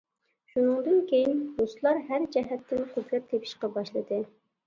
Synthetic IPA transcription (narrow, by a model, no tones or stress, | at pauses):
ʃunɨŋd̪ɨnkʲʰejinmuslˠɑɾɦæɾd͡ʒɛɦɛt̪ʰːɪnqʰʊt̪ɾɛɾt̪ʰepʰɪ̥ʃqɑbɑʃlˠɨd̪ɨ